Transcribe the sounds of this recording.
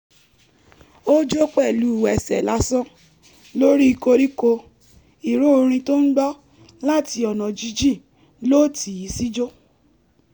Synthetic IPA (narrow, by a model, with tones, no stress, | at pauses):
o˦d͡ʒo˦k͡pɛ˦˨lu˨˦˨wɛ˨sɛ̰˨la˨˦sɔ̃˦ | lo˦ɾi˦i˧ko˧ɾi˦ko˧ | i˨ɾo˦o˧ɾ̃ĩ˧to˦n̩˦ɡ͡bɔ˦ | la˦˨ti˧ɔ˨nɔ̃˨d͡ʒi˧d͡ʒi˦˨ | lo˦tʰi˨i˨˦si˦d͡ʒo˦